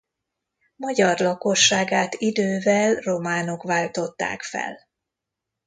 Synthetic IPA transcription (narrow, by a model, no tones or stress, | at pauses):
mɒɟɒrlɒko̞ʃːaːɡaːt̪id̪øːvɛlro̞maːno̞kʋaːlt̪o̞t̪ːa̰ːkfɛ̰l